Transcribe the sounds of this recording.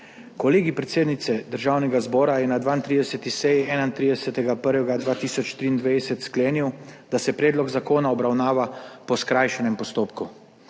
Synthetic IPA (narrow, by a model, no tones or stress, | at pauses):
kɔleːɡipɾɛt̪seːd̪nit̪sɛd̪əɾʒaːwnɛɡazbɔːɾajɛnad̪ʋaːint̪ɾid̪ɛsɛt̪isɛjiɛːnant̪ɾiːd̪ɛsɛt̪ɛɡapəɾʋɛɡad̪ʋaːt̪iːsɔt͡ʃt̪ɾiːnd̪ʋesɛt̪skleːniwd̪̥asɛpɾeːd̪lɔɡzakoːnaɔbɾawnaːʋapɔskɾajʃɛnɛmpɔst̪oːpku